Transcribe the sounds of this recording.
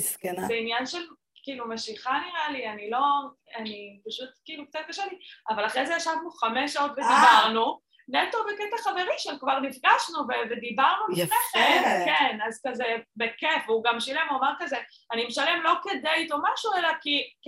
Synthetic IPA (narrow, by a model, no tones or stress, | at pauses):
skezeinjanʃel | kiːlumeʃiχaniʁalianilo̞ | anipaʃut̪kiːluk̚t͡sat̪̚kaʃaliavalaχʁezejaʃavnuχameʃao̞t̪ved̪ibaʁnu | net̪oveket̪aχaveʁiʃelkvaʁnifɡaʃnuvevedibaʁnuleχekenazkazebekefuɡamʃilemomaʁkaze | animeʃalemlo̞ked̪ejt̪o̞maʃuelaki